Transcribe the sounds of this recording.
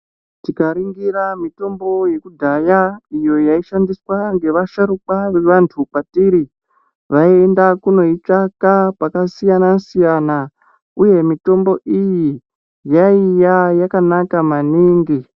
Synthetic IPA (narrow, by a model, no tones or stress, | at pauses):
tikaɾiŋɡiɾamito̞mbo̞je̞kudʱajaijo̞jaiʃandiswaŋɡe̞ʋaʃaɾukaʋe̞ʋantʰupatiɾi | ʋaiendakuno̞it͡ʂakapakasijanasijana | uje̞mito̞mbo̞ʔiji | jaijajakanakamaniːŋɡi